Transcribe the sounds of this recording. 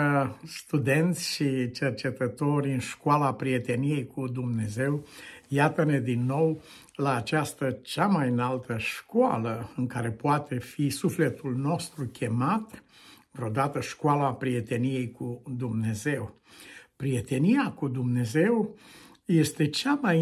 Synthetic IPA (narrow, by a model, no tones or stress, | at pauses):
st̪ud̪e̞nt̪sʲʃit͡ʃe̞rt͡ʃe̞t̪ət̪o̞rʲɨnʃkoalapɾie̞t̪e̞nije̞jkud̪umne̞ze̞wjat̪əne̞d̪inːo̞w | laːt͡ʃast̪ət͡ʃamajɨnalt̪ʰəʃkoa̰ləɨŋkaɾe̞poat̪ʰe̞fisufle̞t̪ulno̞st̪ɾukʲʰe̞mat̪ | ɨt̪ɾeod̪at̪əʃkoalapɾije̞t̪e̞nije̞jkud̪umne̞ze̞w | pɾije̞t̪e̞niakud̪umne̞ze̞w | je̞st̪e̞t͡ʃamaj